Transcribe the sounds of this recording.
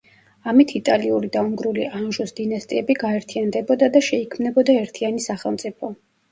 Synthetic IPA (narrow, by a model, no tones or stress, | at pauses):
amit̪ʰit̪ʼaliuɾid̪auŋɡɾuliʔanʒusd̪̥inast̪ʼiɛbiɡaɛɾt̪ʰiand̪ɛbɔd̪ad̪aʃɛikʰmnɛbɔd̪aɛɾt̪ʰianisaχɛlˠmt̪sʼipʰɔ